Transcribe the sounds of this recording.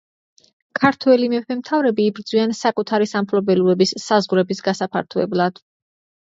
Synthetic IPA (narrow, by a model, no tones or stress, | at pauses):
kʰaɾt̪ʰwɛlimɛpʰɛmt̪ʰavɾɛbiːbɾd̪zwiansakʼut̪ʰaɾisampʰlɔbɛluɛbisːazʁwɾɛbisɡasapʰa̰ɾt̪ʰuɛ̰blˠad̪̥